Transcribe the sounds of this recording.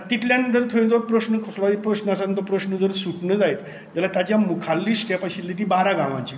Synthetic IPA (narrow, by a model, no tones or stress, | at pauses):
t̪it̪ʰljannt̪əɾt̪ʰojnd͡z̪oɾpɾəsnəkʰslɔipɾəɕnasant̪opɾəɕnəd͡zəɾsuʈnəd͡zait̪ | d͡zalat̪jat͡ɕjamukʰalːiːsʈjapaɕilːit̪ibaɾaɡãʋã̰ɲt͡ɕi